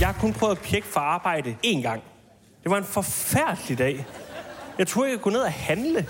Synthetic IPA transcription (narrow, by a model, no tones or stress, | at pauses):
jɑ̈ɪhɑ̈kʰɔ̽npʰʁœːʊðˠpʰjeɡ̥əfɒ̽ɑ̈ːb̥ɑ̈ɪ̰dəe̝ːnɡ̥ɑ̈ŋ̰ | d̥e̝ʋɑ̈e̝nfɒ̽fæɐ̰d̥əlid̥ɛ̰ː | jɑɪt͡sʰoɐeɡ̥kʰone̝ð̞̰ˠæhænlə